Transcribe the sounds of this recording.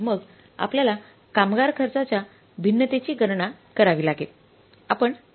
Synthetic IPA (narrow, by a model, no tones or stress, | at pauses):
məɡ | a̰pljala | kamɡaɾkʰəɾt͡sat͡ɕja | bʱinːət̪et͡ɕiːɡəɾɳakəɾaʋiːlaɡel | apəɳ